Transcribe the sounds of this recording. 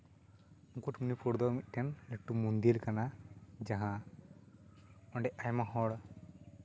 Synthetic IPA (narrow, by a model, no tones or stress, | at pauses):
ukuʈmunipɔɽd̪ɔmit̪̚ˀʈɛnleʈːumund̪ilkanad͡ʒaɦã | ɔɳɖɛajmãɦɔɽ